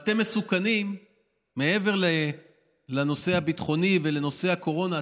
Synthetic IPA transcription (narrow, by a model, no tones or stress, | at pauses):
at̪e̞mːesukanimː | e̞e̞ve̞ʁle | lano̞se̞abit̪χo̞nive̞le̞no̞sehako̞ʁo̞na